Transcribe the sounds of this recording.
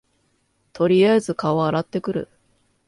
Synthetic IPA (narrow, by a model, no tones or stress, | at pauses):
t̪o̞ɾʲijazɨkao̞aɾat̪ːe̞kɯ̟ɾɯ̟̰